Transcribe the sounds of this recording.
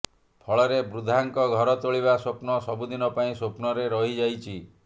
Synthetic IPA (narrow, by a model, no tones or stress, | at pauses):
pʰɔɭɔɾebɾud̪ʱaŋkɔɡʱɔɾɔt̪oɭiβasopnɔsɔbud̪inɔpaĩsopnɔɾeɾɔɦid͡ʒajt͡ʃʰi